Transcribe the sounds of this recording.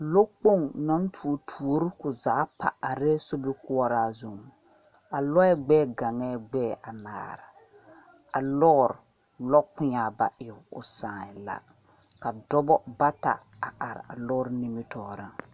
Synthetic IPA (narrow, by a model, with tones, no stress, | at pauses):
lo˦k͡po˦˨ŋnɔ˦n˦tʰu˨o˨tʰu˨o˨˦ɾɪ˦kʊ˨zaː˨˦pa̰˨a˨ɾɛ˦so˦bi˦kʊ˦a˦ɾaː˦zo˨m˨ | a˨lɔ˦ɛ˦ɡ͡bɛː˦˨ɡa˨ŋɛ˦ɡ͡bɛː˦˨a˨na̰ː˨ɾa˨ | a˨lɔ˦˨ɾ | lɔ˦k͡pʊ˦ɲaː˨ba̰˨ʔɪ˨ʊ˨ʊ̰˨sãː˨ɛ˨la̰˦ | ka˨dɔ˦bɔ˦ba˦ta̰˨ | a˨ʔa˨ɾ̰a̰˨lɔ˦ɾni˦mi˦tɔː˨ɾa˦